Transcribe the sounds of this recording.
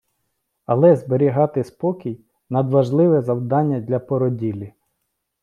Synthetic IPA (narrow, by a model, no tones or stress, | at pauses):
ɐlˠɛzbeɾʲiɦɑt̪ɪspɔkʲij | nɐd̪ʋɐʒlˠɪʋɛzɐwd̪ɑnʲːɐdʲlʲɐpɔɾɔdʲilʲi